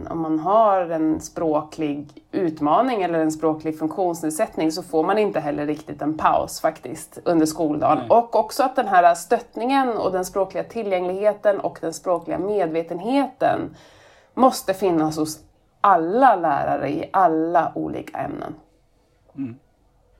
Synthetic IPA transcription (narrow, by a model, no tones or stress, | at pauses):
ɔ̰mːanɦaɾɛnspɾoːkʰlɪɡʉ̟ːt̪mɑːnɪŋɛlːəɾɛnspɾoːklɪɡfɵŋkɧuːnsneːd̪sɛt̪nɪŋsɔfoːɾmanɪnt̪əɦɛlːəɾːɪkt̪ɪt̪ɛnpʰa̰ʊsfakt̪ɪst̪ɵnd̪əʂkuːld̪ɑ̰ːnɔkːɔksɔat̪̚d̪ɛnɦæːɾast̪œt̪nɪŋənɔ̰d̪ɛnspɾoːklɪɡat̪ʰɪljɛŋlɪɡheːt̪ənɔ̰kd̪ɛnspɾoːklɪɡa̰meːd̪veːt̪ənɦeːt̪ə̰n | mɔst̪əfɪnːashʊs | ʔalːalæ̰ːɾa̰ɾə̰ɪ̰ʔalːaʔṵːlḭːkʰa̰ɛ̰mnə̰n